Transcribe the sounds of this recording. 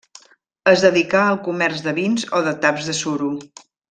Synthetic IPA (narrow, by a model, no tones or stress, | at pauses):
əzðəðikaəlˠkumɛrzðəβinzoðət̪apzðəsuɾu